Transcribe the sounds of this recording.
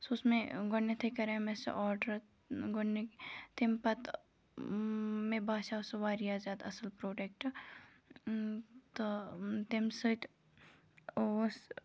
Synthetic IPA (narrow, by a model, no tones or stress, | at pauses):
sosmẽɡoɳːet̪ʰəkɐɾemesɐ̰ʔɔːɾɖəɾ | ɡoet̪empɐt̪ | mẽbaːʃasʋaːɾijaːzaːt̪ɐsəlpɾoːʈek̚ʈɐ | t̪ot̪emsət̪ | s